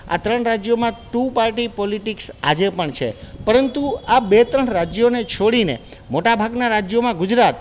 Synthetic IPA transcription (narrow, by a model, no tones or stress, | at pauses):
a̰t̪ɾəɳɾad͡ʒjomãʈupaɾʈipɔliʈiksa̰d͡ʒepəɳt͡ʃʰḛpəɾənt̪uabet̪ɾəɳɾad͡ʒjonet͡ʃʰoɽinḛmoʈabʱaɡnaɾad͡ʒjomãɡʊd͡ʒɾat̪